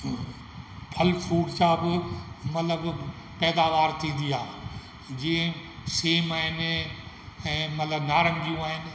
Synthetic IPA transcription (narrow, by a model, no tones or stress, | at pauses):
pʰɐlfuːɽt͡ɕãːbɪmɐt̪ləb | pɛːd̪aːʋaːɾt̪ʰĩːn̆d̪iaː | d͡ʑĩːẽseːmaːɦɪn | ɛ̃ːmɐt̪ləbnaːɾə̃ŋɡijũaːɦɪnɪ̆